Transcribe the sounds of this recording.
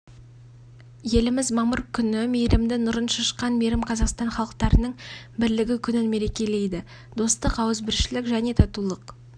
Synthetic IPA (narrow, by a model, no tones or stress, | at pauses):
je̞lɪmɪzmɑməɾkʲʰʏnɪmejɾɪmd̪ɪnʊɾənʃɑʃə̥qːɑnmeɾɪmqʰɑzɑqst̪ɑnχɑlˠəqt̪ɑɾənəɴ | bɪɾlɪɡʲɪkʲʰʏnɪnme̞ɾe̞kʲe̞le̞jd̪ɪ | d̪̥o̞st̪əqɑwəzbɪɾʃɪlɪkʒæne̞t̪ʰɑt̪ulˠəq